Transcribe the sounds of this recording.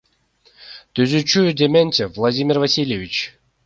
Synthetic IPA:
t̪ɵzʲʏt͡ɕujʊdʲemʲenʲtʲɪvlˠɐdʲimʲɪrvɐsʲilʲjɪvʲit͡ɕ

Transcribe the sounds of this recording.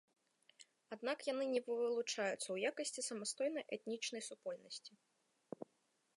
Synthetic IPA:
ad̪nakjanɨnʲɛvvɨlˠut͡ʂajut̪sːɐwjakɐsʲt͡sʲisɐmast̪ɔjnɐjʔɛt̪nʲit͡ʂnɐjsupɔlʲnɐsʲt͡sʲi

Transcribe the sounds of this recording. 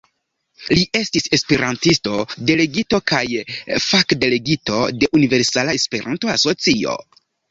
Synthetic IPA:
liʔe̞stise̞spe̞ɾantisto̞de̞le̞ɡito̞kajfakde̞le̞ɡito̞̰de̞ʔunive̞ɾsalaespe̞ɾa̰nto̞aso̞t͡sio̞̰

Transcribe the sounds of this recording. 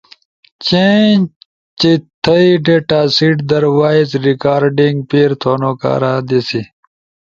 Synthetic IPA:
t͡ɕẽ | t͡ɕit̪ʰəiɖeːʈaːsiːʈd̪ɐɾwaːizɾikaːɾɖĩŋɡpiːɾt̪ʰoːnoːka̰ːɾaːd̪isi

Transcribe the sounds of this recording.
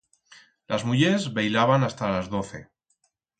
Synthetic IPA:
lʔazmuʎezβejlaβanast̪alazðo̞θe̞̰

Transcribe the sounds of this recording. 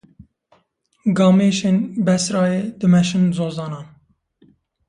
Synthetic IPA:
ɡɑːmeːʃeːnbɛsɾɑːjeːd̪ɨmɛʃɨnzoːzɑːnɑːn

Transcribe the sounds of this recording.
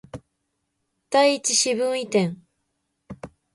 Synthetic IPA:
d̪̥aiːt͡ɕiɕiβɯ̟̃ɰ̃it̪ẽ̞ŋ

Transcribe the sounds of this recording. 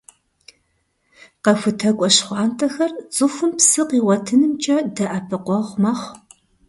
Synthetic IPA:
qɐfʷʊtʰɐkʷʼɔɕχʷɑːntʰɐxɐrt͡sʼʊfʷʊmpsɨqiːwɐtʰɨnɨmt͡ʃʼɐdɐʔɐpʰɨqʷɔʁʷmɐːχʷ

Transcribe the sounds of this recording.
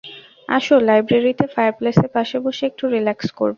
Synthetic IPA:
a̰ʃolajbɾeɾit̪efajaɾplesepaʃaboʃiek̚ʈuɾilaksko̰ɾbo

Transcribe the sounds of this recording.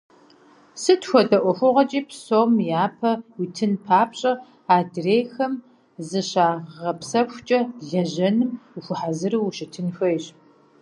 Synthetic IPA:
sɨtxʷɔdɐʔʷɔxʷʊʁɐt͡ʃʼiːpʰsoːmjaːpʰɐwitʰɨnpʰaːpɕʼɐ | aːdreːjxɐm | zɨɕaːʁʁɐpsɐxʷt͡ʃʼɐɮɐʑɐnɨmuxʷʊħazɨɾɨwuʃɪtʰɨnxʷɐjɕ

